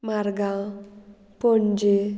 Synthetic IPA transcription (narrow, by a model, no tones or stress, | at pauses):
maɾɡa | pond͡ʒe